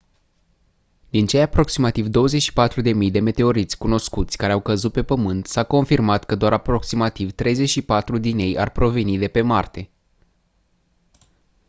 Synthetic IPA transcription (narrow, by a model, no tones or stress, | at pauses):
d̪̥int͡ʃe̞japɾo̞ksimat̪ivd̪o̞wəzet͡ʃʃi̥pat̪ɾud̪e̞mijd̪e̞me̞t̪e̞o̞ɾit̪sʲkuno̞skut̪sʲkaɾeawkəzut̪̚pe̞pəmɨnt̪sako̞nfirmat̪kəd̪oaɾapɾo̞ksimat̪ivt̪ɾe̞jze̞t͡ʃʃipat̪ɾud̪ine̞ja̰rpɾo̞ve̞nid̪e̞pe̞mart̪e̞